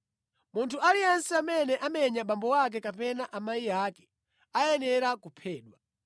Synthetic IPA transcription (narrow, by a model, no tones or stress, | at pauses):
muntʰualiansiamɛnɛʔamɛɲaɓambɔwak̬ɛkapɛnaʔamajiaːkɛ̥ | ajɛnɛɾakupʰɛːɗwa